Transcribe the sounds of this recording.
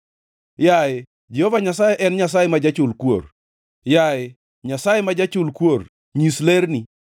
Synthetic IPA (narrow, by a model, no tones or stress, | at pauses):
jaɪ | d͡ʒehovaɲasajeʔɛnɲas̬ajemad͡ʒat͡ʃʊlkwo̰ɾ | jajɪ | ɲasajemad͡ʒat͡ʃʊlkwoɾ | ɲisleɾni